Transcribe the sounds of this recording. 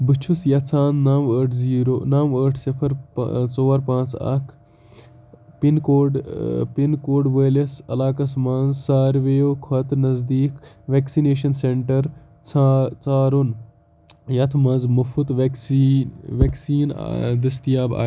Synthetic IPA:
bɨt͡ʃʰusjɐt͡sʰaːnnaːməːʈʰziːɾoːnaːməːʈʰsipʰɐɾ̰t͡soːɐɾpãːt͡sɐ̰kʰ | pinkoːɖpinkoːɖʋeːlɐsɐ̰laːkɐs̬mɐnzsaːɾʋeːjoːkʰɐt̪nɐzd̪iːk | ʋeːksineːʃɐnseɳʈɐɾ | t͡sʰt͡saːɾun | jɐt̪ʰmɐnzmɐfut̪ʋsʋeksiːn̰d̪ɐst̪ijaːba̰ː

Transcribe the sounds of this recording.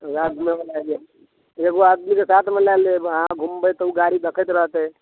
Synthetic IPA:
ɾad̪ʱmemelad͡ʒe | d͡ʒəɡoad̪mikesat̪ʰmelaleɦãɡʱumbət̪ɔuɡaɾid̪əkʰət̪ɾəɦt̪ɦɛ

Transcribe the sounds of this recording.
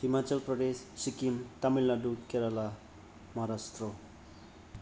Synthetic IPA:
himat͡sʌlprʌd̪esːikimt̪amilnaɖut̪keɾala | mʌɾast̪ro

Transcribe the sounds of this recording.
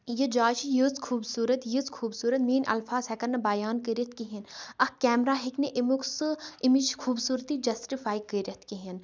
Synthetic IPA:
jid͡ʒaːt͡ʃijuzkʰuːbsuːɾɐt̪jizkʰuːbsuːɾɐt̪miːnʔɐ̰lfaːzɦɛkɐnɐbɐjaːnkəɾit̪̚ʰkiɦinɐhkɛːmɾaːɦikneʔimuksɨimit͡ʃkʰuːbsuːɾt̪id͡ʒɐsʈifaːikəɾʲɐt̪ʰkiɦin

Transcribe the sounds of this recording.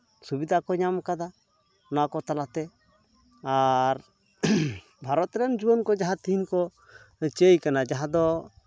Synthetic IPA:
subid̪ʱakɔɲamkad̪a | nakɔt̪alat̪ɛ | aɾ | bʱaɾɔt̪ɾɛnd͡ʒubɔnkɔd͡ʒaɦãt̪iɦinkɔ | t͡ʃejkanad͡ʒaɦãd̪ɔ

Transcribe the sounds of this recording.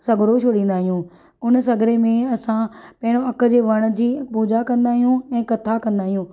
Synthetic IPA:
sɐɡʱɾoʃʰoːɽĩːn̆d̪aːɦijũː | ʊns̬ɐɡɾemẽɐsãpɐ̃ɦɪ̃ɽ̃oɐkə̆d͡ʑeːʋɐɽ̃ə̆d͡ʑiːpuːd͡ʑakɐ̃nd̪aːɦijũɛ̃ːkɐt̪ʰakɐ̃nd̪aːɦijũː

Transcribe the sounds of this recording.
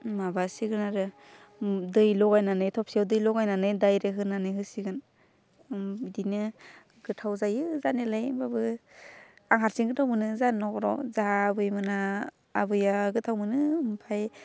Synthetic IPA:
mabasiɡɯnaɾɯ | dɯjlɔɡajnanɯjtʰɔp̚siawdɯjlɔɡajnanɯjdajɾɯɦɯnanɯjɦɯsiɡɯn | bdinɯ | ɡɯtʰawzajɯzanelajbabɯ | aŋɦaɾsiŋɡɯtʰawmɯnɯzannɔkɾɔ̰zahaːbɯjmɯnaː | bɯjaɡɯtʰawmɯnɯmpʰaj

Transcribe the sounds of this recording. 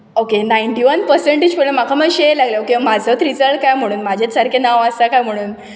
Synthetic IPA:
okenajiɳʈiʋənpəɾseɳʈid͡ʑpəɭləm̤akʰaməɡɕeelaɡleokemad͡zʱət̪ɾid͡zəlʈ̚kajm̤əɽ̃uːnmad͡ʑʱetsaɾkʰenãʋasakajm̤əɽ̃uːn

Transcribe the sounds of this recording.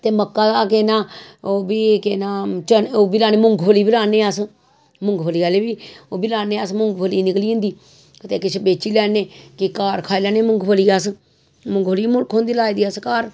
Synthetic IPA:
t̪eːməkːaːak̬eːnaːoːbiːkeːnaːt͡ʃənoːbilaːneːmʊŋɡpəliːbɪlaːneːas | mʊŋɡpʰəliːaːleːbiːoːbilaːneːasmʊŋɡpʰəliːnɪkliːʊ̃nd̪iː | kət̪eːkɪt͡ʃʰbeːt͡ʃiːlɛːneːkɪkaːɾkʰaːilaːneːmʊŋɡpʰəliːas | mʊŋɡpəliːmʊlkʰõːnd̪iːlaːiːd̪iːaskaːɾ

